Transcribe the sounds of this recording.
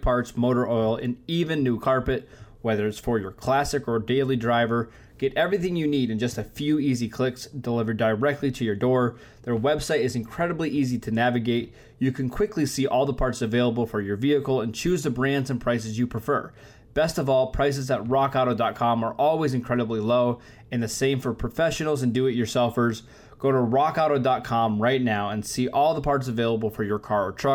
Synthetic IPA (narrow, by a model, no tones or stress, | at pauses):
pʰɑɹtsmoʊɾə˞ʔɔɪlˠɪ̰̃nivɨ̃nːʉkʰɑɹpɨt̚wɛðə˞ɨtsfə˞jə˞kʰl̥æsɨkə˞deɪlˠidɹaɪvə˞ | ɡ̥ɛɾʔɛvɹiθɪ̃ŋjɨniɾɨ̃nd͡ʒʌstɨfjʉizikʰl̥ɪksd̥əlɪvə˞dəɹɛk̚tʰˡliɾɨjə˞dɔɹ | ðə˞wɛb̥saɪɾɨzɨ̃nkʰɹ̥ɛɾəbliʔiziɾɨnævɨɡeɪt͡ʃ | ɨkʰɨ̃nkʰw̥ɪklisiʔɔlˠðəpʰɑɹtsɨveɪlˠəbl̩ˠfə˞jə˞viɨkl̩ˠə̃nt͡ʃʰʉzðɨbɹæ̃ndzɨ̃npʰɹ̥aɪsɨzjɨpʰɹ̥ɨfɜ̰˞ | b̥ɛstʌvɔlˠpʰɹ̥aɪs̬ɨzət̚ɹɑkaʊɾoʊdɑt̚kʰɑ̃mə˞ʔɔlˠwizɨ̃nkʰɹ̥ɛɾəbliloʊ | ɨ̃nðɨsẽɪ̃ɱfə˞pʰɹ̥ɨfɛʃɨnl̩ˠzɨ̃ndɨɪt͡ʃə˞sɛlˠfə˞z | ɡ̥oʊɾəɹɑkaʊɾoʊdɑt̚kʰɑ̃mɹaɪtⁿnaʊə̃nsiʔɔlˠðəpʰɑɹtsɨveɪlˠəbl̩ˠfə˞jə˞kʰɑɹə˞tʰɹ̥ʌ